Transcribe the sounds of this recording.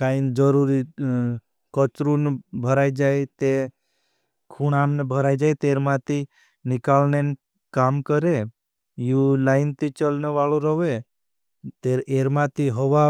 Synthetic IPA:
kaind͡ʒəɾuɾi | kət͡ʃɾunbʱəɾaːjd͡ʒajt̪e | kʰuɽãnbʱəɾaːid͡ʒajt̪eːɾmãt̪i | nɪkalnen | kaːmkəɾe | julaɪnt̪it͡ʃəlneʋaɭuɾəʋe | t̪eɾeɾmãt̪iɦɔʋa

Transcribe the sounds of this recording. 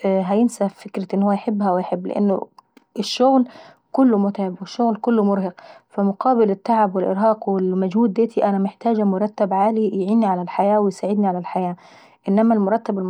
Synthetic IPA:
ɦæjɪnsafɪkɾaʔɪnːhʊːajħɪbːhawɪjħɪbːlɪ̰ʔa̰nːʊ̰ | ʔɪʃːʊɣl | kʊlːʊmʊt̪ʕɪbwɪʃːʊɣlkʊlːʊmʊɾˤhɑqfamʊqʰɑːbɪlɪt̪ːaʕabwɪlʔɪ̰ɾɦɑːqwɪlmad͡ʒhuːd̪̚d̪eːt̪ʰiʔænamɪħt̪aːd͡ʒamʊɾˤɑt̪ːabʕaːlijʕiːnːiʕalalħajaːwɪjsaːʕɪd̪niʕalalħajaː | ʔɪnːæmalmʊɾˤɑt̪ːabɪlm

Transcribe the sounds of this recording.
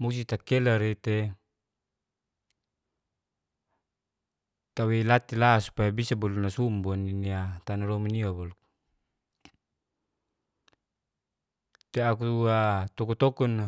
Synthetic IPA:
musit̪akelaɾet̪e | t̪awelat̪ilasu̥pajabisabɔlunasumbɔniniat̪analɔminiobɔluk̚ | t̪eakuat̪ɔkut̪ɔkɔn

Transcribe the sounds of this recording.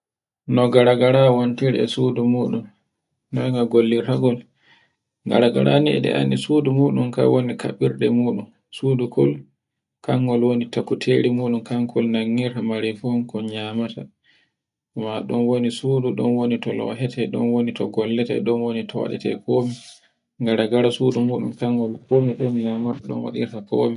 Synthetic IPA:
nɔɡaɾaɡaɾawontiɾɛ̰sudumuːɗunː | aŋɡaɡolːiɾtaɡɔl | ɡa̰ɾaɡa̰ɾa̰niɛ̰ɗɛ̰ʔa̰nːisudumuːɗunka̰wonika̰ɓiɾɗɛmuːɗun | sudukʰɔl | kaŋɡɔlwonitakːutʰeɾimuːɗunkaŋkʰɔlnaŋːiɾtamaɾifɔnkɔɲaːmata | maɗɔnwonisuːduɗɔnwonitɔlɔ̰ɦɛtʰɛɗɔ̰nwonitɔɡɔlːɛtɛɛɗɔnwonitɔwa̰ɗɛ̰tɛ̰kʰomi | ŋɡaɾaɡaɾasudumuɗunkaŋɡɔlkomikomiɲamataɗɔ̰nwa̰ɗḭɾtakʰoːmi

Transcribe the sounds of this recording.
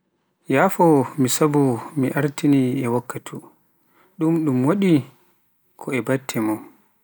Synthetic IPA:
jaːfɔmisabumiʔaɾtiniɛwakːatʰu | ɗumɗumwaɗi | kʰɔɛbatʰːɛmɔ

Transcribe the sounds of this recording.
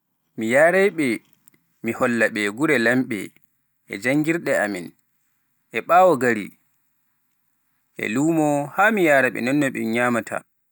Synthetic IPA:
mijaːɾɛjɓɛ | mihɔlːaɓɛɡuɾɛlamɓɛ̰ | ʔɛ̰d͡ʒaŋɡiɾɗɛamin | ʔɛɓaːwɔɡaɾḭ | ʔɛ̰luːmɔhamijaːɾaɓɛ̰nɔnːɔɓɛ̰ɲaːmatʰa̰

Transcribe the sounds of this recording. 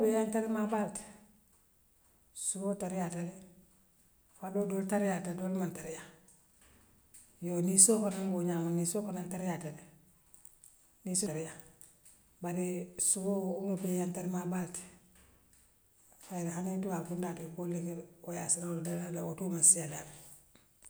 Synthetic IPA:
bejantaɾimabalt | suboːtaɾijatale | fadodoːltaɾijatadolmantaɾija | jonisokonaŋboɲaonisokonantaɾijatale | nisoɾija | baɾisuboumupijantaɾimabalt | faɾhanituwakundatibolekeojasiɾadaadawotumasijadami

